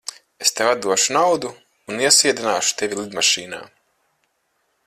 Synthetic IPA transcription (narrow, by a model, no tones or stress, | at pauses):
est̪evad̪̚d̪uɔʃunawd̪uː | niɛsiɛd̪inaːʃu̥t̪evʲilˠid̪maʃiːna̰ː